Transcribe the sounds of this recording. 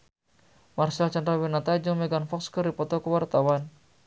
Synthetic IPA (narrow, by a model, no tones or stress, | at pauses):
marsalt͡ʃandɾawɛnat̪ad͡ʒɔŋmɛɡanfɔkskəripɔt̪ɔkəwart̪awan